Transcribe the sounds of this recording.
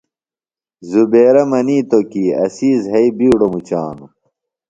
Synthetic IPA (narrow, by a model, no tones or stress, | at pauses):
zubeːɾɐmɐniːt̪okiːɐ̰siːzɦɐibiːɽomut͡ɕa̰ːnu